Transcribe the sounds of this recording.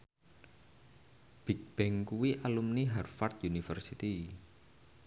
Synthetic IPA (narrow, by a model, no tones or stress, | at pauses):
b̥ik̚b̥ɛŋkuwiʔalumniɦarfart̪̚junifərsit̪i